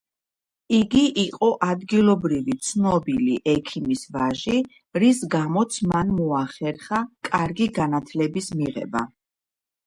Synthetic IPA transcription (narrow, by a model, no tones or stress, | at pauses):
iɡiʔiqʼɔʔad̪ɡilˠɔbɾivit̪sʰnɔbiliʔɛkʰimisvaʒi | ɾisɡamɔt̪sʰmanmɔaχɛɾχakʼaɾɡiɡanat̪ʰlɛbismiʁɛ̰ba̰